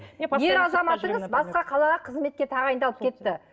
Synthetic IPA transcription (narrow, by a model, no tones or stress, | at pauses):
je̞ɾɑzɑmɑt̪əɴəzbɑsqɑqʰɑlˠɑʁɑqʰəzme̞t̪̚kʲe̞t̪ʰɑʁɑjnd̪ɑlˠəp̚kʲʰe̞t̪ːɪ